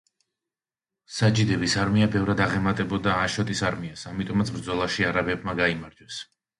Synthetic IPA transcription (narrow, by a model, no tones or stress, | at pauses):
sad͡ʒid̪ɛbisaɾmiabɛvɾad̪aʁɛmat̪ʼɛbɔd̪aːʃɔt̪ʼisaɾmiasamit̪ʼɔmat̪sbɾd̪zɔlˠaʃiaɾabɛb̚maɡaimaɾd͡ʒwɛs